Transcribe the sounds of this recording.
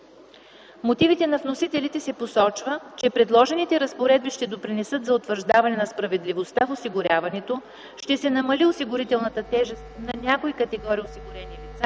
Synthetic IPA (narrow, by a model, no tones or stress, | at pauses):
mot̪ivit̪ɛnɐvnosit̪ɛlit̪ɛsɛposɔt͡ʃvət͡ʃɛpɾɛd̪lˠɔʒɛnit̪ɛɾəspoɾɛd̪̚biʃt̪ɛd̪opɾinɛsɤt̪zɐot̪vəɾʒd̪avɐnɛnɐspɾɐvɛd̪livost̪afosiɡʊɾʲavɐnɛt̪o | ʃt̪ɛsɛnɐmɐliosiɡʊɾit̪ɛlˠnət̪ət̪ɛʒɛst̪nɐnʲakoikət̪ɛɡɔɾijosiɡʊɾɛnilit̪sa